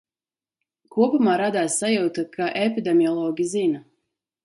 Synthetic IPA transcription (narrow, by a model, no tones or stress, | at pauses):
kuɔpumaːɾad̪aːsːajuwt̪akʰaʔepid̪emiɔlˠɔːɡʲizina